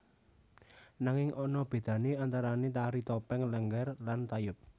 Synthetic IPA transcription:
naŋɪŋʔɔnɔb̥e̤d̪̥ä̤neant̪aɾanet̪aɾit̪ɔpɛŋləŋɡɛrlant̪ajʊp̚

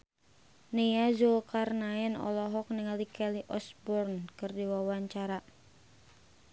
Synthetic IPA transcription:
nijazokarnaɛnɔ̰lɔɦɔk̚niŋalikɛliʔɔsbɔrnkɨrdiwawaɲt͡ʃaɾa

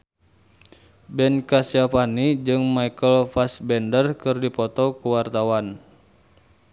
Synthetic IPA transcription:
bɛnkasiafanid͡ʒɨŋmaikəlfasbɛndərkɨrdipɔt̪ɔkuwart̪awan

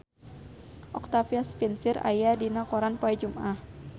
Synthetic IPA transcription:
ʔɔk̚t̪afiaspinsɪɾa̰jadinakɔɾanpoɛd͡ʒumʔah

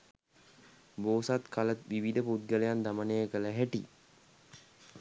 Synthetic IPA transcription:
boːsat̪kʰalət̪ʋiʋid̪əpud̪̚ɡələjand̪amənejəkələɦæʈi

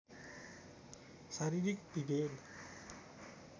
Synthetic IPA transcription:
saɾiɾik̚bibel

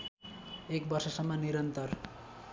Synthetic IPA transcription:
ek̚bʌrsʌsʌmːʌniɾʌnt̪ʌr

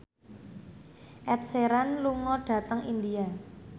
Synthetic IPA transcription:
ʔɛt̪̚seɾanluŋɔɖ̥ä̤t̪əŋindia

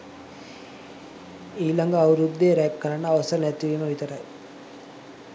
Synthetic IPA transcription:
iːlaŋɡəːʋuɾud̪ːeɾɛp̚kəɾaɳːəːʋɐsənɛt̪iʋeməʋit̪əɾɐj

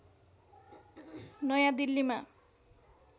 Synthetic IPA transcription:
nʌjãd̪ilːima

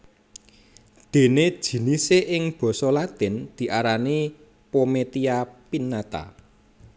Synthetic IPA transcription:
d̪̥e̤ned̥ʒ̥i̤niseʔɪŋb̥ɔ̤sɔlat̪ɪnd̪̥i̤ʔaɾani | pomet̪iapinːat̪a̰

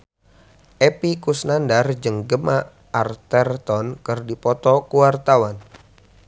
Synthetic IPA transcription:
ʔepikusnandard͡ʒəŋɡəmaː | rt̪ɛrt̪ɔnkɨrdipɔt̪ɔkuwart̪awan

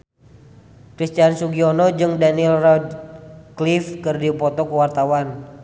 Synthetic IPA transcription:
kɾist̪iansuɡiɔnɔd͡ʒɨŋdanilrɔdklifkɨrdiupɔt̪ɔkuwart̪awan

